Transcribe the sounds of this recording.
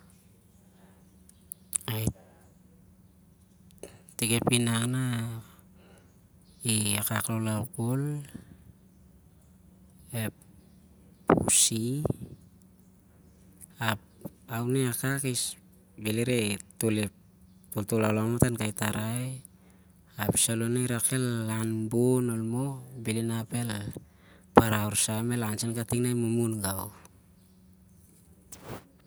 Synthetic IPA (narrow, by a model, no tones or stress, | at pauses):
aj | tekepinaŋna | iakaklolawkol | ep | ṵsi | a | awneakakis | beleɾetole | toltolawlamatankajtaɾaj | api̥salonajɾake̞lːanbonolmobilinape̞l | paɾawɾsame̞lansenkatiknajmumunɡaw